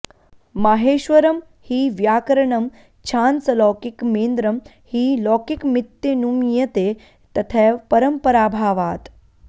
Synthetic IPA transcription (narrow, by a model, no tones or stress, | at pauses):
maɦeːʃʋɐɾɐm | hiːʋjaːkɐɾɐɳɐm | t͡ɕʰaːnt͡sɐlɔːkikmeːnd̪ɾɐm | hiːlɔːkikmit̪jɐnumjɐt̪eː | t̪ɐt̪ʰɛːpɐɾɐmpɐɾaːbʱaːʋaːt̪